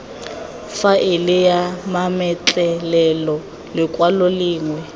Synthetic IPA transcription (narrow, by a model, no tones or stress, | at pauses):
faʔɪlɪjamamɛt͡ɬʼɛlɛlɔ | lɪkʼwaloliːŋwɛ